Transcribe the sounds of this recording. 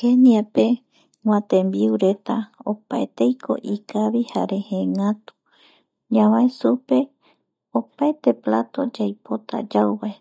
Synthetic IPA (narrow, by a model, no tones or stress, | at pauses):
keniape̞ | ŋãt̪ẽ̞mbiuɾe̞t̪aopaet̪ejkʰo̞̰ʔikaβiha̰ɾe̞hẽŋat̪u̥ | ɲãβaesupe̞ | opaet̪e̞plat̪o̞d͡ʒajpo̞t̪a̰d͡ʒawβae